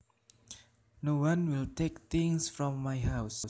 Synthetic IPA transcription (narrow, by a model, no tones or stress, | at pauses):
nowãnwɪltʰek̚t̪ɪ̃ŋsfɹɔ̃mːajɦaʊs